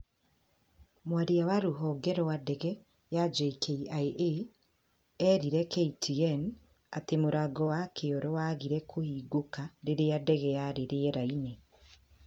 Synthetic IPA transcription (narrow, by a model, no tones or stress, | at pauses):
mwaɾeawaɾoɦɔɡɛɾɔwadɛɣɛ | jad͡ʒeikʰeiaeʔe | ɛɾiɾɛkeitʰiɛn | atemoɾaɡɔwakʰeɔɾɔwaɣiɾɛkʰohiːɡokaɾeɾeadɛɣɛjaɾeɾeɛɾaine